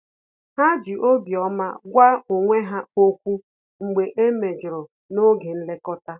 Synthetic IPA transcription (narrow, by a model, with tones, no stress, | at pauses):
ɦa˦d͡ʒi˨ʔo˦bjɔ˦ma̰˦ɡʷa˦o˨ŋʷe˦ɦa˦o˦kʷu˦ | ŋ͡m̩˨ɡ͡be˨ʔe˦me˨d͡ʒɾʊ˨ | no˦ɡe˨n̩˦le˦kɔ˦ta˦